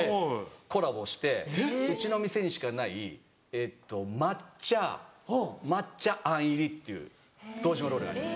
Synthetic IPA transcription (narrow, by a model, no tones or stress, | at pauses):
ko̞ɾabo̞ɕi̥t̪e̞ɯ̟t͡ɕino̞mʲise̞ɲ̟iɕi̥kanai | et̪ːo̞mat͡ɕa | mat͡ɕaʔãɰ̃iɾʲit̪ːe̞ɯ̰ː | d̪̥o̞ːʑimoɾoːɾɯ̟ɡa̰ɾimas